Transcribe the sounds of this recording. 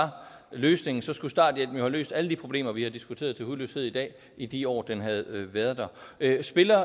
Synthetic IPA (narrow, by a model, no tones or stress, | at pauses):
ɑ̈ | løːsne̝ŋn̩sɒ̽sɡ̥usd̥ɑ̰̈ːd̥jed̥m̩jo̝hælø̰ːsd̥æləd̥ipʰʁo̝b̥le̝̰ːmɐʋihɑ̈d̥isɡ̥ut͡sʰe̝̰ːɐðˠt͡sʰe̝lhuløshe̝ð̞̰ˠid̥ɛ̰ː | id̥iɒ̰ːd̥enɦæð̞̩ˠʋæɐðˠd̥æøsb̥e̝lɐ